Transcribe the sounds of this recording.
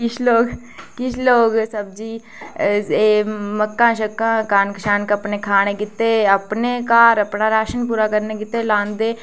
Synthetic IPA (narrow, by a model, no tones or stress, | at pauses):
kɪt͡ʃʰloːɡ | kɪt͡ʃʰloːɡsɐb̚d͡ʒiː | eːməkːãːʃəkːãkaːnkʃaːnkɐpnekʰaːñekɪt̪ːeɐpnekaːɾɐpnaɾaːʃənpuːɾakəɾnekɪt̪ːelãːnd̪eː